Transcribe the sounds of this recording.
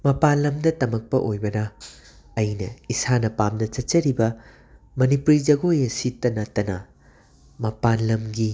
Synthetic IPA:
mɐpanlɐmdɐtɐmɐk̚pɐ̰ʔojbɐnɐː | jnɐ̰isanɐpamdɐt͡ʃɐt͡ʃɐɾibɐ | mɐnipuɾid͡ʒɐɡojɐsitːɐnɐtːɐnɐ | mɐpanlɐmɡi

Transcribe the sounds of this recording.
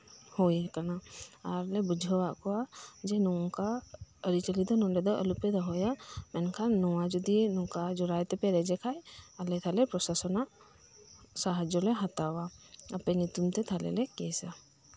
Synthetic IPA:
hɔjakanaaɾlɛbud͡ʒʱɔwaʔkɔwad͡ʒɛnɔɔkaəɾit͡ʃəlid̪ɔnɔ̃ɖɛd̪ɔʔəlupɛd̪ɔɦɔjamɛnkʰanːɔwad͡ʒɔd̪inɔ̃kad͡ʒɔɾajt̪ɛpɛɾɛd͡ʒɛkʰajalɛt̪ʰalɛpɾɔsasɔnaʔ | saɦad͡ʒɔlɛɦat̪awaəpɛnit̪umt̪ɛt̪ʰalɛ̰lɛkɛsa

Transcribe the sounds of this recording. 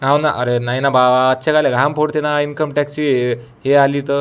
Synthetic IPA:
ɦãwnaʔəɾenainabaətːɕʰakaleɡʱampʰoɽt̪enainkəmʈɛkst͡ɕi | ɦealiːt̪ə

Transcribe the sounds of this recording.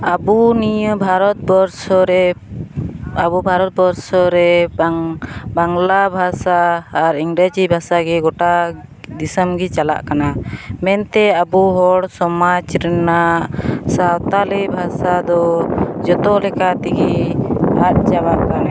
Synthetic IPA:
abunijəbʱaɾɔt̪̚bɔɾsɔɾɛ | abubʱaɾɔt̪̚bɔɾsɔɾɛ | baŋlabʱasaːɾiŋɾad͡ʒibʱasaɡɛɡɔʈad̪isəmɡɛt͡ʃala̰ʔkanamɛnt̪ɛabuɦɔɽsɔmat͡ʃɾɛnaʔsawt̪alɛbʱasad̪ɔd͡ʒɔt̪ɔlɛkat̪iɡi | at̪̚t͡ʃabaʔkan

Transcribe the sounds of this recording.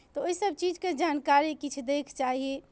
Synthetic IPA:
t̪ɔoisəb̚ʱt͡ʃid͡ʒked͡ʒankaɾikit͡ʃʰd̪ekʰt͡ʃaɦie

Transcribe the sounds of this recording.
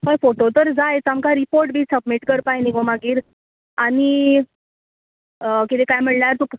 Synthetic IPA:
ɦəjfoʈot̪əɾd͡zajet͡samkaɾipoɾʈ̚bʱiːsəb̚miʈkəɾpajniɡomaɡiːɾ | ani | kit̪ekajm̤iɭnaɾt̪uk

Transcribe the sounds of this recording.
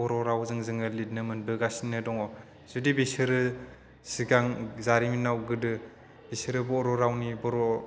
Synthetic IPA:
ɔɾɔɾawzɯŋzɯŋɯlit̚nɯmɯnbɯɡasinɯdɔŋɔ | z̥udibisɯɾɯ | siɡaŋzaɾiminːawɡɯdɯ | b̥isɯɾɯbɔɾɔɾawnibɔɾɔ

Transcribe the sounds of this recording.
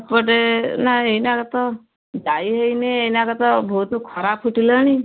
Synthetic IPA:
pəʈenaeinakət̪ɔ | daiɦəineeinakət̪ɔbʱot̪ukʰɔɾapʰuʈilɔñi

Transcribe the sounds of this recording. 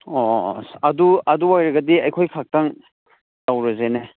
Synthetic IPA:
oɐduɐduwajɾɐɡɐdiɐjkʰojkʰak̚taŋ | tawɾɐzene

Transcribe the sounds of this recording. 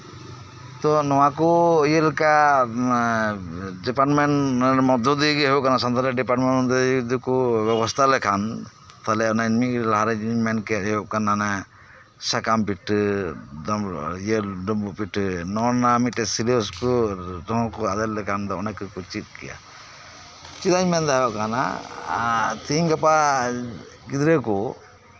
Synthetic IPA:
t̪ɔnɔwakɔijəlka | ɖipaɾʈmɛnʈmɔd̪ɔd̪ikɛɦuʔkanasand̪aɾɛɖipaɾʈmɛnɔnd̪ɔd̪ukubɛbɔst̪ʰalɛkʰan | t̪alɛɔnajnmiʔlaɦaɾɛmɛnkɛt̪uʔkanːana | sakampiʈː | d̪jedɔbuʔpiʈnɔnamit̪̚ɛsiliskɔdɔ̃kɔad̪ɛllɛkʰand̪ɔɔnakɯkut͡ʃit̪̚kɛja̰ | t͡ʃit̪aɲmɛnd̪ɔɦɔʔkana̰ | t̪iɲɡapa | ɡid̪ɾekɔ

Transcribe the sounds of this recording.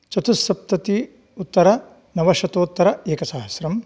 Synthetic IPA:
t͡ʃɐt̪usɐp̚t̪ɐt̪i | ut̪ːɐɾɐ | nɐʋɐʃɐt̪oːt̪ːɐɾɐeːkɐsaːɦɐsɾɐm

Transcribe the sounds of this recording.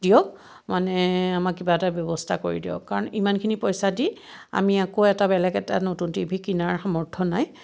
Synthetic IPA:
dijɔk̚ | manɛamak̚kːibaɛtabjɔbɔstʰakoɹḭdijɔ̰kːaɹɔnimankʰinipɔjsadi | a̰miakoɛtabɛlɛkɛtanotuntibʱikinaɹxamɔɹtʰɔnaj

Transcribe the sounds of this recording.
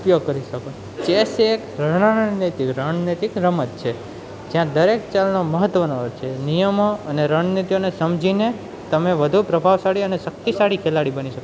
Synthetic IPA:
upjoɡ̚kəɾiʃəkon | t͡ʃeseːkɾəɳanit̪ikɾaɳ̃nit̪ikɾəmət̪t͡ʃʰe | d͡ʒjãd̪əɾekt͡ʃalnoməɦət̪ːʋənoəɾt͡ʃʰenijəmoəneɾəɳnit̪ijonesəmd͡ʒʱine | t̪əmeʋəd̪ʱupɾəbʱaʋsaɽiəneʃək̚t̪isaɽikʰelaɽibəniʃəko

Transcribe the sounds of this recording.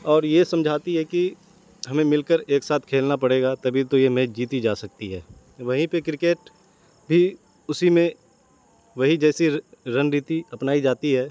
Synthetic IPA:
ɔːɾjesɐ̃md͡ʒʱaːt̪iɦɛki | ɦɐmẽmɪlkəɾeːksaːt̪ʰkʰeːlnapɐɽeːɡat̪ɐbʱit̪ojemeːd͡ʒd͡ʒiːt̪id͡ʒaːsɐk̚t̪iɦɛː | ʋɐɦĩpekɾɪkeːʈ | bʱi | ʊsimẽ | ʋɐɦĩd͡ʒɛːsiɾənɾit̪iɐpnaːid͡ʒaːt̪iɦɛː

